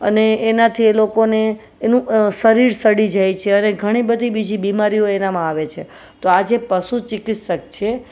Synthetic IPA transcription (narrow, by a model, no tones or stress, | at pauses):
əneːnat̪ʰielokoneː | nũsəɾiɾsəɽid͡ʒajt͡ʃʰeəneɡʱəɽ̃ibəd̪ʱibid͡ʒʱibimaɾijoenamãaʋet͡ʃʰe | t̪oad͡ʒepəsut͡ʃɪkit̪ʃək̚t͡ʃʰe